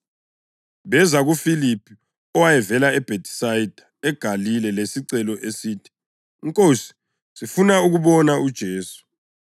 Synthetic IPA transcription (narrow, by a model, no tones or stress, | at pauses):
βɛzaɣufilipʰi | ɔwajɛvɛlaɛb̥ʱetʰʼi̥sajid̥ʱaɛɡ̥ʱalilɛlesiǀɛlɔʔesiːtʰi̥ | iŋkʼosi̥ | sifunauɣuβɔnaud̥ʒ̥ʱeːsu̥